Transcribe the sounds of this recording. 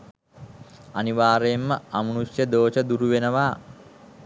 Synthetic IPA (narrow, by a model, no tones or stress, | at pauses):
aniʋaːɾeemːəamunusjəd̪oːt͡ʃəd̪uɾuʋenəʋaː